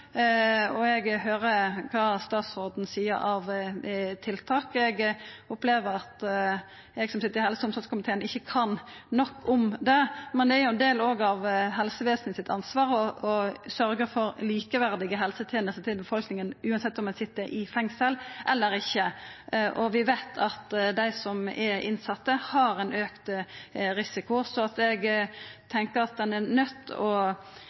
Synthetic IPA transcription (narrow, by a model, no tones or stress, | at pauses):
ɔɛɡɦøːɾəkʰɑst̪ɑːt̪sʁoːd̪n̩siːə̰ɾɑʋt̪ʰɪlt̪ʰɑːkɛɡɔpleːʋəɾɑt̪ | ɛɡsɔmsɪt̪ːəɾɪhɛlsəʊmsɑt̪skʊmɪt̪ʰeːənɪçːəkʰɑnnɔkːʊmd̪ɛmɛnd̪ɛæɾjʊɛnd̪eːloːɡɑʋɦɛlsəʋeːsnəsɪt̪ʰɑ̰nsʋɑːɾɔɔsœɾɡəɾfɔɾliːkəʋæɾd̪ɪɡəɦɛlsət̪ʰjɛːnəst̪ət̪ʰɪlbəfɔlknɪŋənʉːɑnsɛt̪ːɔmɛnsɪt̪ːəɾʔɪfɛŋsəlʔɛlːəɾɪçːəʔɔʋɪʋæɪt̪ʰɑt̪d̪æɪsɔmɛɾɪ̰nsɑt̪ːəhɑɾɛɪnøːkt̪ɾɪsɪkʊsɔɑt̪ɛɡt̪ʰɛŋkəɾɑt̪̚d̪ɛnɛɾnœt̪ʰːɔ